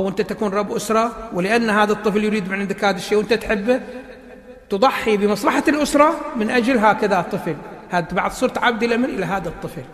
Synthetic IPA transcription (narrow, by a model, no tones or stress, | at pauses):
awʔɪnt̪at̪akuːnɾˤɑbːʔʊsɾˤɑwɪlɪʔanːɦaːðat̪ˤːɨfljɾiːd̪mɪnʕɪnd̪akhaːðaʃːeːwɪnt̪at̪ħɪbːa | t̪ɨðˤɑħːibɪmɑsˤlɑħaɪlʔʊsɾˤɑmɪnʔad͡ʒalɦaːkaðat̪ˤːɨflhaːd̪baʕðˤsˤuːɾˤt̪ʕabd̪ɪlamɪnʔɪlaɦaːðat̪ˤːɨfl